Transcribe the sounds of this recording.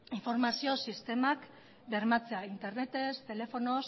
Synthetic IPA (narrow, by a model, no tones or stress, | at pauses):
iɱfo̞ɾmasio̞sist̪e̞mak | de̞ɾmat͡se̞aint̪e̞ɾne̞t̪e̞st̪e̞le̞fo̞no̞s